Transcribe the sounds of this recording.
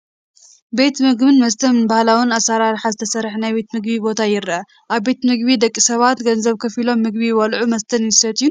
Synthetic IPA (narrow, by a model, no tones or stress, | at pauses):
be̞t̪mɨɡbɨnmɐst̪ʰɐnbahlawɨnasaɾaɾħazɨt̪ʰɐsɐɾħnajbe̞t̪mɨɡbibo̞t̪ʰajɪɾʔɐ | ʔaβbe̞t̪mɨɡbid̪ɐkʼːisɐβat̪ɡɐnzɐβkʰɐfilo̞mːɨɡbiwɐlʕumɐst̪ʰɐnjɪsɐt̪ju